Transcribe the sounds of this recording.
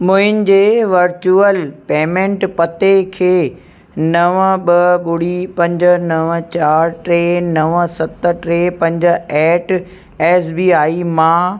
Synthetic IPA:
mʊ̃ɪnɪ̆d͡ʑeːʋɐɾt͡ɕuəlpeːmẽːɳʈpɐt̪ekʰeː | nɐʋəɓɐɓʊɽ̤ipɐ̃ɲd͡ʑənɐʋət͡ɕaːɾʈɾeːnɐʋsɐt̪əʈɾeːpɐ̃ɲd͡ʑə̆ɛːʈ | eːsbiːaːimã

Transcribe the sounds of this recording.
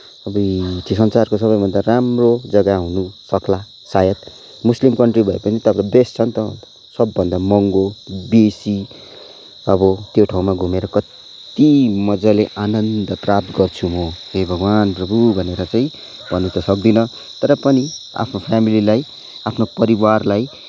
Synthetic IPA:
ʌbʌt̪ʰisʌnt͡sarkosʌbʌjbʱʌnd̪aramrod͡zʌɡaɦunusʌkla | sajʌt̪ | muslimkʌɳʈribʱʌepʌnʰit̪ʌbɾʌbest͡sʰʌnt̪ʌ | sʌbːʌnd̪amʌŋɡobesi | ʌbʌt̪joʈʰãw̃maɡʱumeɾʌkʌt̪ | imʌd͡zaleʔanʌnd̪ʌprap̚t̪ɡʌrt͡sʰumʌɦebʱʌɡwanprʌbʱubʱʌneɾʌt͡saĩ | bʱʌnit̪ʌsʌk̚d̪inʌ | t̪ʌɾʌpʌnia̰pʰnopʰjamililaj | apʰnopʌɾiwarlaj

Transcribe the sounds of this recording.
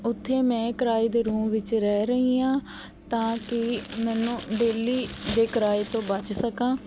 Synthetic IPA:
ʊt̪ʰːeːmɛ̃ːkəɾaːiːd̪eːɾuːmʋɪt͡ʃɾɛːɾəɦiːãː | t̪ãːkɪmɛːnːũːɖeːliːd̪eːkəɾaːeːt̪õːbət͡ʃsəkãː

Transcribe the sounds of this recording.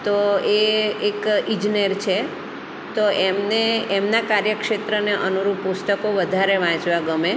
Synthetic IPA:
t̪oeekĩd͡ʒneɾt͡ʃʰe | t̪oʔemneemnakaɾjəkʂet̪ɾəneʔənuɾupːust̪əkoʋəd̪ʱaɾeʋãt͡ʃʋaɡəme

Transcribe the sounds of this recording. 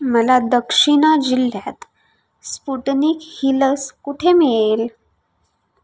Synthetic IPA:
məlad̪əkʂiñad͡ʑil̤ːjat̪ | spuʈnikhiləskuʈʰemeɭel

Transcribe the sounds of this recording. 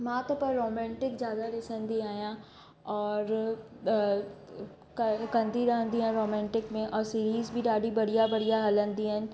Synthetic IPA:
mãːt̪ɐpɐɾɾoːmɛ̃ːɳʈɪkzjaːd̪aɾɪsə̃nd̪iaːɦijã | ɔːɾ | kkɐ̃nd̪iɾɐɦə̃nd̪iɦãɾoːmɛ̃ːɳʈɪkmẽʔɔːɾsiːɾiːzbʱiɗaːɖibɐɽ̤ijabɐɽijaɦɐlə̃nd̪iɦənɪ̆

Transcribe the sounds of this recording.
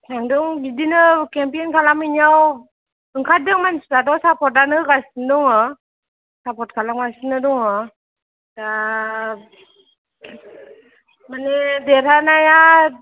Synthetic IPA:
tʰaŋdɯŋbidinɯkempenkʰalamiɲaw | ɯŋkʰadɯŋmanstadɔsapʰɔt̚anɯkajsɯndɔŋɯ | sapʰɔt̚kʰalaŋwasɯnːɯdɔŋɯ | ta | manedeɾanaja

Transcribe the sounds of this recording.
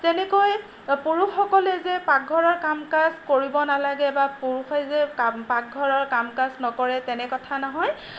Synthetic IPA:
tɛnɛkoj | puɹuxːɔkɔlɛzɛpaɡ̚ɡʱɔɹɔɹkamkazkoɹibɔnalaɡɛbapuɹuxɔjzɛapak̚ɡʱɔɹɔɹkamkasnɔkɔɹɛtɛnɛkɔtʰanɔɦɔj

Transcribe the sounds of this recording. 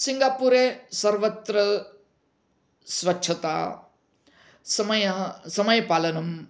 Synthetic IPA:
siŋɡaːpuːɾeːsɐɾʋɐt̪ɾɐ | sʋɐt͡ʃːt͡ʃʰɐt̪a̰ː | sɐmɐjɐsɐmɐjɐpaːlɐnɐm

